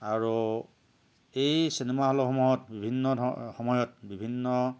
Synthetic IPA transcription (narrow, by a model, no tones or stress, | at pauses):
aɹu | ejsinemaɦɔlɔxɔmɔjɔtbibʱinːɔ̰xɔmɔjɔt̚bibʱinːɔ